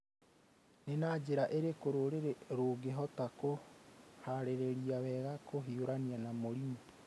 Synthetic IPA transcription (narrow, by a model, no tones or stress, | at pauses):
nenaːd͡ʑeɾaʔeɾekoɾoɾeɾeɾoːɡeɦɔtakohaɾeɾeɾiawɛːɣakoɦioɾanianamoɾiubu̥